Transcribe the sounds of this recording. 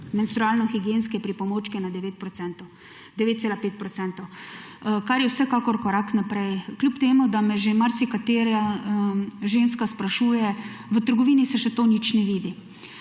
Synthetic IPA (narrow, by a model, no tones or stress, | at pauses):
mɛnst̪ɾuaːlnɔxiɡjeːnskɛpɾipɔmoːt͡ʃkɛnad̪ɛʋeːt̪̚pɾɔsɛnt̪ | d̪ɛʋeːt̪̚seːlapeːt̪̚pɾɔt̪t͡s̪ɛnt̪ɔw | kaɾjɛwsɛkakɔɾkɔɾaknapɾɛjklʲjupt̪eːmud̪amɛʒemaɾsikat̪eːɾa | ʒenskaspɾaʃuːjɛʋət̪əɾɡɔʋiːnisɛʃɛt̪oːnit͡ʃnɛʋiːd̪i